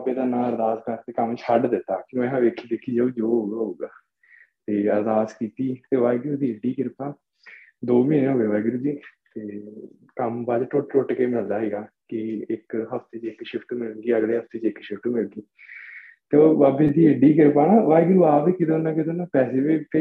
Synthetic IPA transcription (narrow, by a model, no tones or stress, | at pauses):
beːd̪aːnãːəɾd̪aːzkəɾt̪eːkəmt͡ʃʰəɖd̪ɪt̪ːaːkɪõɦãːʋeːkʰiːd̪eːkʰiːd͡ʒəːd͡ʒoːɦoːɡaːɦoːɡaː | t̪eːəɾd̪aːskiːt̪iːt̪eːʋaːɪɡɾuːd̪iːəɖiːkɪɾpaː | d̪oːmĩːnẽːɦoʋeːʋaːɡɾuːd͡ʒiːt̪eː | kəmbaːd͡ʒ̪ʈʊʈʈoʈkeːmɪld̪aːɦɛːɡaː | kɪɪkɦəft̪eːt͡ʃɪkʃɪpʰʈːmɪləɡiːəɡleːɦəfʰt̪eːt͡ʃɪkʃɪpʰʈumɪlɡiː | t̪eʋaːbeːd̪iːəɖiːkɪɾpaːnãːʋaːɪɡɾuaːbiːkɪd̪õːnãːkɪd̪õːnãːpɛːseːʋeːpʰ